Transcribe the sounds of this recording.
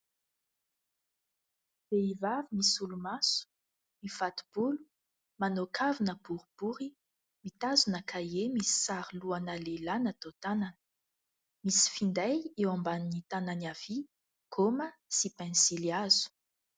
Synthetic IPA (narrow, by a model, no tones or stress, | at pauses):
b̥eivavimisulumasu̥ | mifat̪u̥b̥ulu̥ | manokʰavinəb̥uɾib̥uɾi | mit̪azunəkʰajemisi̥saɾiluanalelanət̪ot̪ananə̥ | misi̥find̪ajewambannit̪ananav̥i | kʰoməsipɛ̃nsiliazu̥